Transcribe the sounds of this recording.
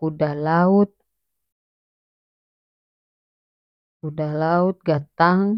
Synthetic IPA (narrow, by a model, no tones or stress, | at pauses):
kudahlaut̪̚ | kudahlaut̪̚ɡat̪aŋ